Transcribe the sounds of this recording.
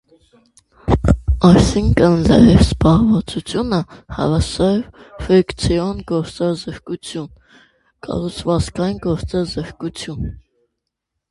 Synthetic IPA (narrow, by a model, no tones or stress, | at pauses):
ɑjsiŋkʰənlɑ̰jɛvzbɑʁvɑt͡sut͡sʰjunəhɑ̰vɑsɑɾv | fɛkt͡sʰiɔnɡɔɾt͡sɑzəɾkut͡sʰjun | kɑ̰rut͡sʰvɑt͡skɑjinɡɔɾt͡sɑzəɾkut͡sʰjun